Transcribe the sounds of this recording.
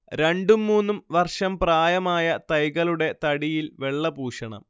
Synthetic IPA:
ɾe̞ɳɖumːuːnːumʋɐrʂɐmpraːjɐmaːjɐt̪ɐjɣɐɭuɽe̞t̪ɐɽijilʋe̞ɭːɐbuːʂɐɳɐ̰m

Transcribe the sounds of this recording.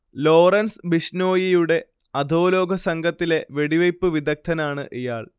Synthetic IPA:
lo̞ːrɐnsɨbiʂno̞ːjijuɽe̞ | ɐd̪ʱoːlo̞ːɡʱɐsɐŋɡʱɐt̪ːile̞ʋe̞ɽiʋɐjpːɨʋid̪ɐk̚t̪ʰɐnaːɳɨ̰ʔijaːɭ

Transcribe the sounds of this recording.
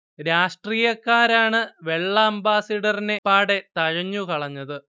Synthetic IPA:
ɾaːʂʈriːjɐkːaːɾaːɳɨʋe̞ɭːɐɐmbaːsɐɽɐrine̞pːaːɽe̞t̪ɐɻɐɲːukɐɭɐɲːɐðɨ

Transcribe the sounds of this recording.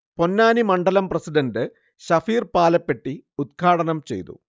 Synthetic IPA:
po̞nːaːnimɐɳɖɐlɐmprɐsiɖɐndɨ | ɕɐfiːrpaːlɐpːe̞ʈːiud̪̚kʰaːɽɐnɐmt͡ɕe̞̰jt̪ṵ

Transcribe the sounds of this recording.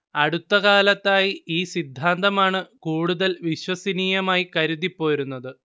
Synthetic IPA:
ɐɽut̪ːɐɣaːlɐt̪ːaːjiiːsid̪ʱːaːnd̪ɐmaːɳɨkuːɽuðɐlʋiɕwɐsiniːjɐmaːjikɐɾuðipːo̞ːjɾunːɐðɨ

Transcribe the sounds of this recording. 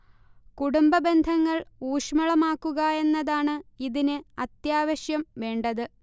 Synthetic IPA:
kuɽumbɐbe̞nd̪ʱɐŋːɐɭuːʂmɐɭɐmaːkːuɣɐe̞nːɐðaːɳɨiðinɨɐt̪jaːʋɐɕjɐmʋe̞ːɳɖɐðɨ

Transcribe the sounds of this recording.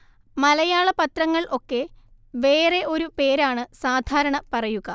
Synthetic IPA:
mɐlɐjaːɭɐpɐt̪ɾɐŋːɐɭʔo̞kːe̞ | ʋe̞ːre̞ʔo̞ɾupe̞ːɾaːɳɨsaːd̪ʱaːɾɐɳɐpɐrɐjuɣɐ

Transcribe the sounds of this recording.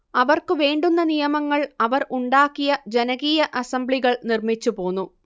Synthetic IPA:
ɐʋɐrkɨʋe̞ːɳɖunːɐnijɐmɐŋːɐɭɐʋɐruɳɖaːkːijɐd͡ʑe̞nɐɣiːjɐʔɐsɐmbɭiɣɐɭnirmit͡ɕːupo̞ːnːu

